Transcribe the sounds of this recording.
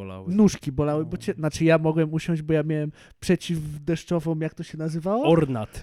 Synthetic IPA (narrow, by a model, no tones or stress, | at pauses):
la̰nuʂkʲibɔlawɘbɔt͡ɕɛnat͡ʂɘjamɔɡwɛmuɕɔ̃w̃d͡ʑbɔjamʲjawɛm | pʂɛt͡ɕivd̪ɛʂt͡ʂɔvɔ̃w̃jak̚t̪ɔɕɛnazɘvawɔɔɾnat̪